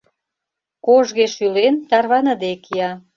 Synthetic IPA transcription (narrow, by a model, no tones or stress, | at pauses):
koʒɣeʃylent̪ɑrβɑnəd̪ekiɑ